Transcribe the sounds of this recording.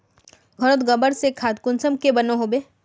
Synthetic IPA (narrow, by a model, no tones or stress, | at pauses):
ɡʱɔɾət̪ɡɐbəɾsekʰaːd̪̚kʊnsəmkebɐnoɦoːbeː